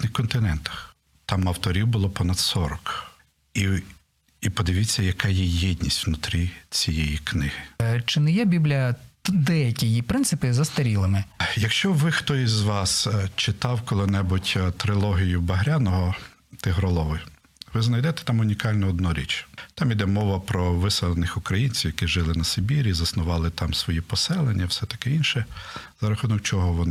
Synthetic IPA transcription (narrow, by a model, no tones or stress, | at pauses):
nɪxkɔnt̪ɪnɛnt̪ɐ̥x | t̪ɑmɐwt̪ɔɾʲiwbʊlˠɔpɔnɐd̪sɔɾɔk | i | ipɔd̪ɪʋʲit͡sʲːɐjɐkɑjijɛd̪ʲnʲisʲtʲwnʊt̪ɾʲit͡sʲijɛjiknɪhɪt͡ʃɪnɪjɛbʲiblʲijɐd̪ɛjɐkʲijipɾɪnt̪sɪpɪzɐst̪ɐɾʲilˠɐmɪjɐkʃt͡ʃɔʋɪxt̪ɔizʋɑst͡ʃɪt̪ɑwkɔlˠɪnɛbʊtʲt̪ɾɪlˠɔɦʲijʊbɐɦɾʲanɔɦɔ | t̪ɪɦɾɔlˠɔʋɪ | ʋɪznɐjd̪ɛt̪ɛ̥t̪ɑmʊnʲikɑlʲnɔːd̪nɔɾʲḭt͡ʃt̪ɑmid̪ɛmɔʋɐpɾɔʋɪsɛlˠenɪxʊkɾɐjinʲt͡sʲiwjɐkiʒɪlˠɪnɐsebʲiɾʲizɐsnʊʋɑlˠɪt̪ɑmsʋɔjipɔsɛlˠenʲːɐwsɛt̪ɐ̥kɪinʃɛz̥ɐɾɐxunɔkt͡ʃɔɦɔʋɔnɪ